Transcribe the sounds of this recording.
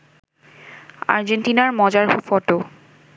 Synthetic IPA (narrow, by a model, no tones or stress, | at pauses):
a̰ɾd͡ʑenʈinaɾmɔd͡ʑaɾɦofɔʈo